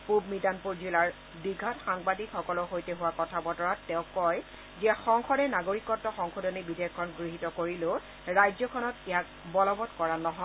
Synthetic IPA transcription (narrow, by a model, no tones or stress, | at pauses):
pubmidanpuɹzilaɹ | biɡʱɔtxaŋbadikxɔkɔlɔxojtɛɦʊwakɔtʰabɔtɔɹatːɛʊ̃kɔj | ziaxɔŋxɔdɛnaɡoɹikɔtːɔxɔŋxudɔnibidʱekʰːɔnɡɹiɦitɔkoɹilo | ɹajzɔkʰɔnɔtɛjak̚ | bɔlɔbɔtkɔɹanɔɦɔ